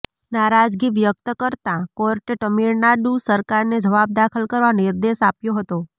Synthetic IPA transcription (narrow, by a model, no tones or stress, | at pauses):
naɾad͡ʒɡiʋjək̚t̪əkəɾt̪ãkɔɾʈeʈəmiɾnaɖusəɾkaɾned͡ʒəʋab̚d̪akʰəlkəɾʋanɪɾd̪eʃapjoɦət̪o